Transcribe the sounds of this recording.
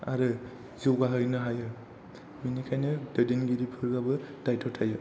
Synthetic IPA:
a̰ɾɯ | ziwɡaɦɯjnɯɦajɯ | minikʰajnɯdɯdenɡiɾipʰɯɾɡabɯd̥ajtʰɔtʰajɯ

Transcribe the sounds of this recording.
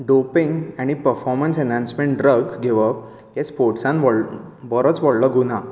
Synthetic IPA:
ɖopĩŋɡæɽ̃ipəɾfɔɾmənsɛnãnsmẽɳʈɖɾəɡsɡʱeʋəp̚ | kespoɾʈsãnʋɔbɔɾət͡sʋɔɽləɡuna

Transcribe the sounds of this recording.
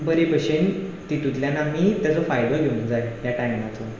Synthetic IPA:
bəɾebəɕent̪it̪ut̪ljanamiːt̪jat͡sɔfajbəɾɡʱeũnd͡zajjaʈajmat͡so

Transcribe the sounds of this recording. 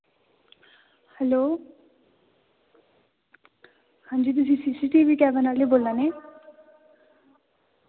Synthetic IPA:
hɛloː | hãːnd͡ʒiːt̪̬ʊsĩːsiːsiːʈiːʋiːkɛːʋənaːleːboːld̪aːnɛː

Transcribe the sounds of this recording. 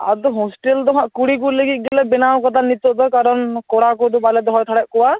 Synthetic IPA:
a̰d̪ɔɦɔsʈeld̪ɔɦãʔkuɽik̬uleɡit̪̚ˀɡɛlɛbɛnawkɔt̪anit̪ɔʔd̪ɔkaɾɔnkɔɽakɔd̪ubalɛd̪ɔɦɔjt̪ʰaɽɛʔ̚kɔwa

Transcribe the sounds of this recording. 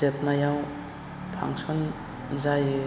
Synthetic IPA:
ep̚najaw | pʰa̰ŋsɔn | zaj

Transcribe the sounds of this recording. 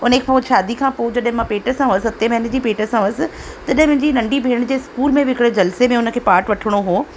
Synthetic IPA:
ʊnəkʰepoʃaːd̪ikʰãːpod͡ʑɐɗɦɪ̃mãpeːʈəsãũəsɪɦɐt̪emɛːnəd͡ʑipeːʈəsãsɪ̆t̪ɐɗɦɪ̃mʊ̃ɦɪ̃ɲd͡ʑinɐ̃ɳɖibʱeːɽ̃d͡ʑeːɪskuːlmẽʋɪkɪɽd͡ʑɐlsemẽʊnə̆kʰeːpaːɾʈʋɐʈʰɪɽ̃oɦoː

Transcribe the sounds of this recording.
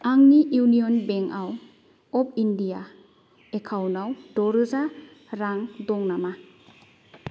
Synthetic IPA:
aŋniʔuwnijɔnbeŋaw | ɔp̚ʰindija | ekʰawnawdɔɾɯza | ɾaŋdɔŋnama

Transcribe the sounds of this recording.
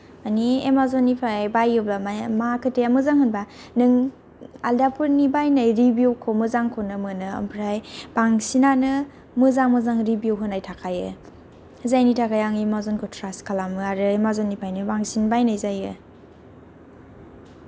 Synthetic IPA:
aniemazɔnːipʰajbajɯblamamakʰɯtejamɯzaŋhɯnba | nɯŋ | a̰ldapʰuɾnibajnajɾibjuwkʰomɯzaŋkʰonɯmɯnɯɐ̰mpʰɾajbaŋsinanɯ | mɯzaŋmɯzaŋɾibiuwɦɯnajtʰakʰajɯ̰ | zajnitʰakʰajaŋemazɔnkʰotʰɾaskʰalamɯaɾɯemazɔnːipʰajnɯbaŋsinbajnajzajɯ

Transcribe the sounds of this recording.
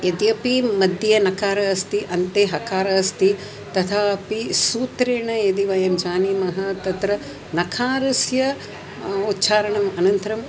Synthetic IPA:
ed̪iɐpimɐd̪jɐnɐkʰaːɾɐɐst̪iʔɐnt̪eːɦɐkaːɾɐɐst̪i | t̪ɐt̪ʰaːɐpisuːt̪ɾeːɳɐed̪iʋɐjɐmd͡ʒaːnimɐɦɐt̪ɐt̪ɾɐ | nɐkʰaːɾusjɐ | ut̪ːt͡ʃʰaːɾɐɳɐmɐnɐnt̪ɐɾɐm

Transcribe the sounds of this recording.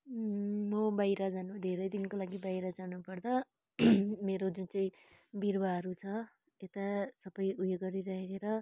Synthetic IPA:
mʌbajɾad͡zanud̪ʱeɾʌjd̪inkolaɡibajɾad͡zanupʌrd̪ʌ | meɾod͡zunt͡sʌĩ | biɾbaɦʌɾut͡sʰʌ | et̪asʌbʌjujeɡʌɾiɾʌɦekeɾʌ

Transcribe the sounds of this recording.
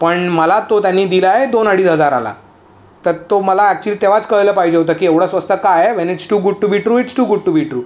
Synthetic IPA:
pəɳməlat̪ot̪janːiːd̪ilaɦed̪onəɽiːsɦəd͡zaɾa̰la̰ | t̪əɾt̪oməlaæk̚t͡ɕuəliːt̪eʋ̤at͡skəɭjləːpaɦid͡ʑeɦot̪̬əːkiːeʋɽ̤asʋəst̪ʰəkajeʋɛneʈsʈuːɡuɖ̚ʈubʱiʈɾuːiʈsʈuːɡuɖ̚ʈubʱiʈɾuː

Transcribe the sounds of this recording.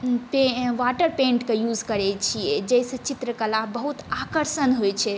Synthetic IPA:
peʋaʈəɾpẽɳʈkejud͡ʒkəɾɛt͡ʃʰijɛd͡ʒɛjsə̃t͡ʃit̪ɾəkəlabəɦut̪akəɾsənɦojt͡ʃʰɛ

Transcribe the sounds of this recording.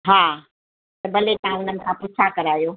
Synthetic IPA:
ɦaː | t̪ɐbɐlet̪ɐɦãʊnənɪ̆kʰãpʊt͡ʃʰakɐɾaːjoː

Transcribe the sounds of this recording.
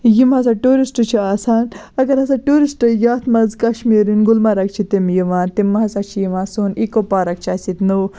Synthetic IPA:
jimɐsaʈuːɾisʈɨt͡ʃʰiaːsaːnɐɡɐɾɐsaʈuːɾisʈɨjaːt̪ʰmɐzkɐʃmiːɾinɡulmɐɾɐkt͡ʃʰit̪imjiʋaːt̪imːɐɦɐsat͡ʃʰijimaːsuːnikopaːɾɐk̚t͡ʃʰasit̪nu

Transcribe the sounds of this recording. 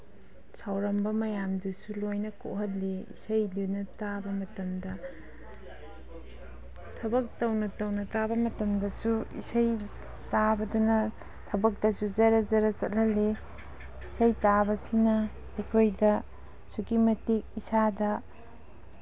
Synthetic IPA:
sawɾɐmbɐmɐjamdusulojnɐko̰ɦɐt̚liḭsɐjdunɐtabɐmɐtɐmdɐ | tʰɐbɐk̚tɐwnɐtɐwnɐtabɐmɐtɐmdɐsuḭsɐj | tabɐdunɐ | tʰɐbɐk̚tɐsuzɐɾɐzɐɾɐt͡ʃɐt̚lɐli | isɐjtabɐsinɐ | ɐjkʰojdɐ | sukimɐtik̚isadɐ

